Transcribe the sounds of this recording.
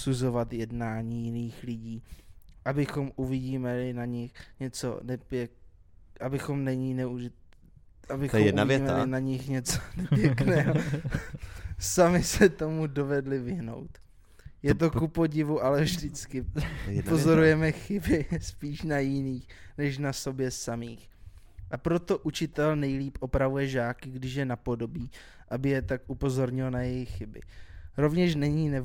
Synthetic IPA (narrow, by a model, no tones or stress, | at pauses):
suzo̞vat̪jɛdnaːɲiːjɪniːxlɪɟiːʔabɪxo̞mʔuvɪɟiːmɛlɪnaɲɪxɲɛt͡so̰nɛpjɛ | ʔabɪxo̞mnɛɲinɛuɪ | ʔabɪxomɛʔavɛiːmɛlɪnaɲɪxɲɛt͡so̥nɛpjɛknɛːɦo | samɪsɛt̪o̞mudo̞vɛdlɪvɪɦno̞̰wt̪ | jɛt̪̬o̞kupo̞ɟɪvuʔalɛvʒdɪt͡skɪ | ozo̞ɾujɛmɛxɪbɪspiːʃnajɪniːxnɛʃ̬naso̞bjɛsamiːx | ʔapɾo̞t̪o̞ʔut͡ʃɪt̪ɛlnɛjliːpʔo̞pɾavujɛʒaːkɪɡdɪʃjɛnapo̞do̞biː | ʔabɪjɛt̪akʔupo̞zo̞ɾɲɪlonajɛjɪxːɪbɪ̰ɾo̞vɲɛʃ̬nɛɲiːnɛ